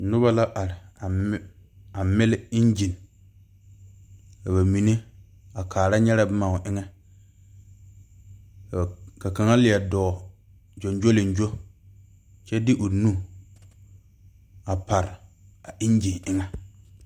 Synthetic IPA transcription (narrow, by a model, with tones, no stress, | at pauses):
nʊ˦ba˦la˦ʔa˨ɾɪ˨˦ | a˨mɪ˦lɪ˦ɪ˦nd͡ʒi˨n˨ | ka˨ba˨mi˨ne˦ | a˨kʰaː˨ɾa˦ɲɛ˦ɾa˦bɪ˦maː˨ʊ˨ʔɪ˦ŋɛ˦˨ | ka˨ka˨ŋa˦lɪ˨a˨dɔː˨ | d͡ʒɔ˨nd͡ʒo˦lɪ˨n˨d͡ʒo˦ | t͡ʃɛ˦dɪ˦ʔʊ˨nu˦ | a˨pa˨ɾɪ˨a˨ʔɪ˦nd͡ʒi˨ʔɪ˦ŋɛ˦